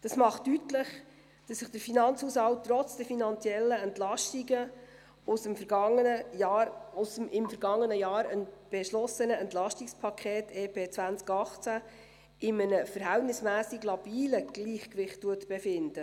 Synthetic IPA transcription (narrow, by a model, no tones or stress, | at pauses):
d̥ɑsmɑχtːytlɪχ | d̥ɑsːɪχd̥əɾfinɑnt͡shuːshɑlttːrɔt͡sd̥ɛfinɑnt͡sjɛlːəɛntlɑʃtiɡə | ʊsəmfəɾɡɑŋəə | ʊsəmɪmfəɾɡɑŋːənəjɑːɾənb̥ɛʃlɔsənəɛntlɑʃtikspʰɑkʰχɛːtʰeːpʰeːt͡sʋænt͡skɑχt͡sæ | ʔɪmənəfəɾɦæltnɪsmæːsiɡlɑb̥iːləɡ̥liːχkʋɪχtːuətb̥ɛfɪnd̥ə